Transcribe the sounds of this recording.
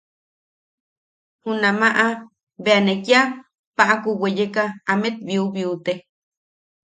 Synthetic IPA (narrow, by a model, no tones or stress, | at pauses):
hunamaʔa | beanekja | paʔakuwejekaːmet̪̚biuβiut̪e